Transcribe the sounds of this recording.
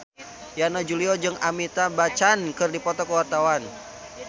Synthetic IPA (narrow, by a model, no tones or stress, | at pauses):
janad͡ʒuliɔd͡ʒɨŋʔamit̪abat͡ʃankɨrdipɔt̪ɔkəwart̪awan